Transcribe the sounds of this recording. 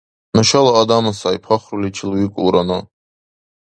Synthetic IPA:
nəʃalaːd̪amasajpʰaχɾulit͡ʃʰilwikʷʼṵɾana

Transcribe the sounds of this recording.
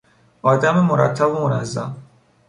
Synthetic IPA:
ʔɒːd̪æmemoɾæ̰t̪ʰːæbomonæzːæ̰m

